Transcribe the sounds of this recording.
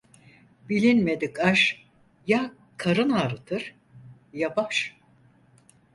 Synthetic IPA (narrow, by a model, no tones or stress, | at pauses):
bilʲinme̞d̪ikaʃ | ja | kʰaɾɯnaːɾɯt̪ʰɯɾ̥ | jabaʃ